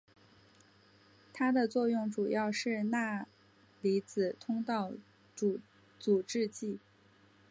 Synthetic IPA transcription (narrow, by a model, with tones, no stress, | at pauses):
t̪ʰa˥d̪ə˨t͡swɔ˥˧jʊ˥˩ŋʈ͡ʂu˨˩jɑ˥˧ʊʂɻ̩˥˧na˥˩ | li˧˥t͡sɹ̩˨˩t̪ʰʊ˥ŋt̪ɑ˥˩ʊ | u˨˩ | t͡su˨˩ʈ͡ʂɻ̩˥˧t͡ɕi˥˩